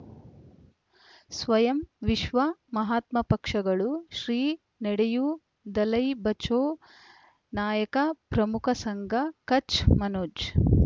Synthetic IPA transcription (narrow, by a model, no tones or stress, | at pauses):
sʋɐjɐmʋiʃʋɐmɐɦaːt̪mɐpɐkʂɐɡɐɭuʃɾiː | nɛɽeju | d̪ɐlɐjbɐt͡ʃoː | naːjɐkɐpɾɐmukʰɐsɐŋɡɐkɐt͡ʃmɐnoːd͡ʒ